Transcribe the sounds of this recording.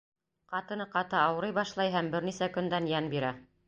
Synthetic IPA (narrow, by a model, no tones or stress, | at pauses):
qɑt̪ɤ̆nɤqɑt̪ɤɑwɤ̆ɾɤjβɑʃlˠɑjɦæmbɘɾnisækɵ̆nd̪ænjænbiɾæ